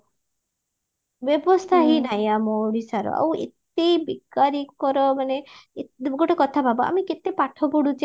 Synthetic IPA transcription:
bjɔbɔst̪ʰaɦinajamɔɽisaɾɔ̰ʔa̰wḛt̪ebiɡaɾikkɔɾɔmane | ɡoʈɔkɔt̪ʰapabɔa̰miket̪epaʈʰɔbuɽud͡ʒe

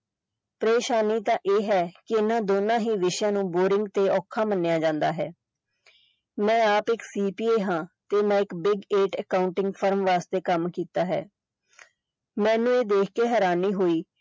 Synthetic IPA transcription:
pɾeːʃaːniːt̪ãːʔeːɦɛːkɪɪnãːd̪oːnãːɦiːʋɪʃjãːnũːboːɾɪŋɡt̪eːɔːkʰaːmənːjaːd͡ʒãːnd̪aːɦɛː | mɛ̃ːaːpɪksiːpiːeːɦãːt̪eːmɛ̃ːɪkbɪɡeːʈəkaːʊɳʈɪŋɡpʰəɾmʋaːst̪eːkəmkiːt̪aːɦɛ̰ː | mɛ̃ːnũːeːd̪eːkʰkeːɦɛːɾaːniːɦoːiː

